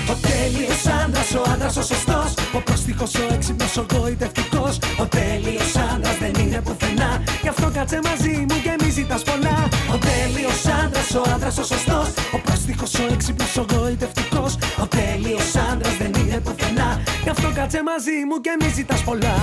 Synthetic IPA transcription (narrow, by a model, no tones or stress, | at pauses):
o̞t̪eliosɐnd̪ɾɐso̞ɐnd̪ɾɐso̞sost̪o̞sopɾost̪ixo̞so̞eksiposoɣo̞it̪e̞ft̪iko̞sot̪e̞lio̞sɐnd̪ɾɐzðenine̞puθenɐʝɐft̪o̞kɐt͡se̞mɐzimuce̞mizit̪ɐspo̞lɐo̞t̪e̞liosɐnd̪ɾɐso̞ɐnd̪ɾɐsosost̪o̞sopɾost̪ixo̞so̞eksipnosoɣo̞it̪e̞ft̪iko̞sot̪eliosɐnd̪ɾɐzðe̞nine̞puθenɐɐft̪o̞kɐt͡se̞mɐzimucemizit̪ɐspo̞lɐ